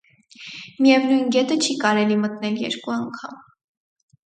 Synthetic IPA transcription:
mijɛvnujnɡɛt̪ət͡ʃʰikɑɾɛlimət̪nɛljɛ̰ɾkuɑŋkʰɑ̰m

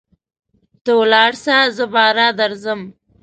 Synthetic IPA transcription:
t̪owlɑːɽsazəbɑːɾɑd̪aɾzəm

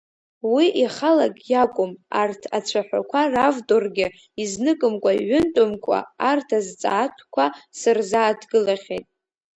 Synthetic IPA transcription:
wiʔiχalakʼjakʷʼʊmartʰat͡ʃʷʰaħʷa̰kʷʰaravdorɡʲɪ | iznɨkʼɨmkʷʼaiʕʏntʼʊmkʷʼa̰ːrtʰazt͡sʼa̰ːtʷʰkʷʰasɨrzaːdʰɡɨlaχʲḛjtʼ

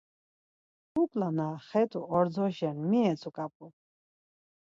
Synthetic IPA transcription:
ukʼlanaχɛt̪ʰʼuʔɔɾd͡zɔʃɛnmiɛt͡sʰukʼap̚ʼu

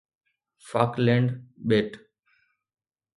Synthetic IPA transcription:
faklẽɳɖɓeʈ

